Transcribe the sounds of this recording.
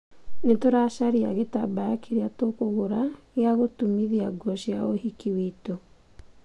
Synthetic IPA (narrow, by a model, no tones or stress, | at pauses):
netoɾaʃaɾia̰ɣetabajakʰeɾeatokoɣoɾaɣeaɣotumiðiaɡɔɕjaoɦikiwito